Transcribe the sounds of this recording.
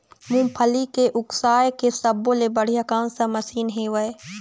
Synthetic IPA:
mũːpʰɐlikeʔʊksaːjkesɐbõlebɐɽ̤ijɐkãːnsɐ̃mɐsiːnɦẽːʋɐe

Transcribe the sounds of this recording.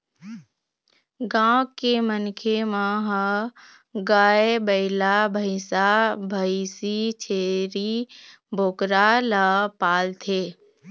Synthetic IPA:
ɡãːkːemənkʰemãɦə | ɡaːebəɪlabʱəɪsabʱəɪsit͡ʃʰeːɾi | bʱoːkɾalapaːlt̪ʰeː

